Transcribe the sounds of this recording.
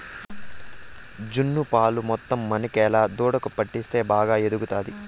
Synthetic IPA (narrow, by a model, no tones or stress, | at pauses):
d͡ʒunːupaːlumɔt̪ːɐmːɐnikɛːlaːd̪uːɽɐkupɐʈːist̪e̞ːbaːɡaːe̞d̪uɡut̪aːd̪i